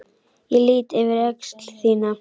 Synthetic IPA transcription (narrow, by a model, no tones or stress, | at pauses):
jɛliːt̪ɪvɪɾɛkst̪l̥θiːna